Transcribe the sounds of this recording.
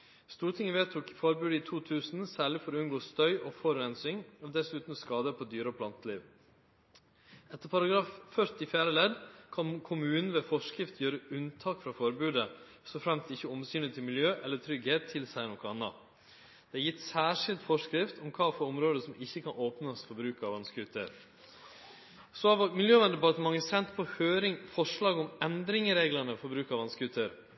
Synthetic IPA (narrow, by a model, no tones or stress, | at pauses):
st̪uːʈ̪ʰɪŋːəʋeːt̪ʰʊkfɔɾbʉːd̪əɪːt̪ʰuːt̪ʰʉːsn̩sæːɭɪfɔɾɔʉnɡoːst̪œʏʔɔːfɔɾɾɛnsɪŋɔd̪ɛsʉːt̪n̩skɑːd̪əpʰɔd̪yːɾəɔpʰlɑnt̪əlḭːʋ | ɛt̪ːəɾpʰɑɾɑɡɾɑːffœɾt̪ɪfjæːɾəlɛd̪kʰɑnkʰʊmʉːnn̩ʋeːfɔʂkɾɪft̪jøːɾəʉnt̪ʰɑːkfɾɑfɔɾbʉːd̪ə | st̪ɔfɾɛmst̪ɪçːəɔmsyːnɪt̪ʰɪlmɪljøːʔɛlːət̪ʰɾʏɡheːt̪ʰːɪlsæɪnɔkəɑnːɑ̰ | d̪̥ɛæjɪt̪ːsæːʂɪlt̪fɔʂkɾɪft̪ʰɔmkʰɑːfɔɾɔmɾoːd̪əsɔmɪçːəkʰɑnʔoːpnəsfɔɾbɾʉːkɑʋɑnskʉt̪ʰə̰ɾ | sɔɑʋmɪljøːʋɛnd̪əbɑːɾt̪mɑŋːəsɛnt̪pʰɔhøːɾɪŋfɔʂɭɑːɡɔmɛnd̪ɾɪŋəɾeːɡlɑnəfɔɾbɾʉːkɑʋɑnskʉt̪ʰəɾ